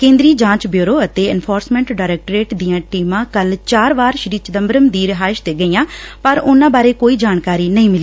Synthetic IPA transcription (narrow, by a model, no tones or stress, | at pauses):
kẽːnd̪ɾiːd͡ʒãːt͡ʃbjoːɾoːət̪eːɛ̰npʰoːɾsmɛ̃ːɳʈɖaːɾɛːk̚ʈːɾeːʈd̪ijãːʈiːmãːkəlt͡ʃaːɾʋaːɾʃəɾiːt͡ʃəd̪əmbəɾəmd̪iːɾɪɦaːɪʃd̪eːɡəiːãːpəɾʊnãːbaːɾeːkoːiːd͡ʒaːnkaːɾiːnəĩːmɪliː